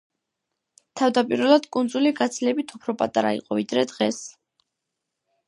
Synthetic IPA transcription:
t̪ʰavd̪apʼiɾvɛlˠad̪kʼund̪zuliɡat̪sʰlɛbit̪ʰupʰɾɔpʼat̪ʼaɾa̰ḭqʼɔvid̪ɾɛd̪ʁɛs

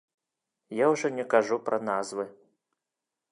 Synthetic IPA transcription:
jawʐɔnʲɛkaʐupɾʔɐnazvɨ

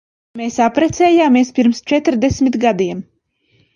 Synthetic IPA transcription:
meːsapɾɛt̪sɛːjaːmeɛspiɾmst͡ʃɛt̪ɾd̪ɛsmʲit̪ɡad̪iɛm

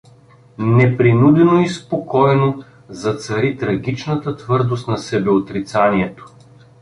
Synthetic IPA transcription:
nɛpɾinud̪ɛnoispokɔɛno | zɐt̪sɐɾit̪ɾɐɡ̟it͡ʃnət̪ət̪vɤɾd̪ost̪nɐsɛbɛot̪ɾit̪saniɛt̪o̥

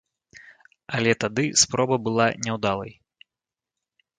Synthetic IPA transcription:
alʲɛt̪ad̪ɨspɾɔbɐbɨlˠanʲɛwd̪alˠɐj

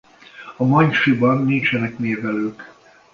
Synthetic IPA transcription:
ɒmɒɲʃibɒnːint͡ʃɛnɛkmeːvɛløːk

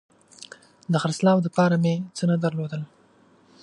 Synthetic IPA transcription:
d̪əxaɾslɑwd̪əpɑɾamet͡sənəd̪əɾlod̪əl

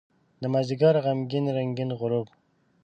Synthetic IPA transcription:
d̪əmaziɡɑɾʁamɡinɾaŋɡinʁʊɾub

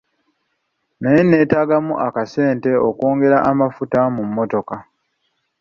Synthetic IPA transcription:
najene̞ːtaːɡamuʔakase̞ːnte̞oko̞ːŋɡe̞ɾaʔamafutamumːo̞to̞ka

